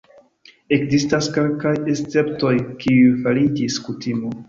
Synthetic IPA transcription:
e̞kzistaske̞lkajest͡se̞pto̞jkʰiujfalid͡ʒiskutimo

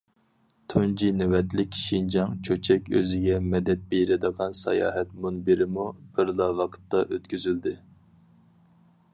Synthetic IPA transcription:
t̪ʰund͡ʒinɪwɛt̪lɪkʲʰːʃind͡ʒɑŋt͡ʃʰøt͡ʃʰɛkʲø̰zɪɡʲɛmɛd̪ɛt̪̚bejɾɪd̪əʁɑnsɛ̰jɑ̰ːɦɛt̪munbiɾɪmub̥ɪɾlˠɑvɑqʰə̥t̪ːɑʔøt̪kʲyzyld̪ɪ

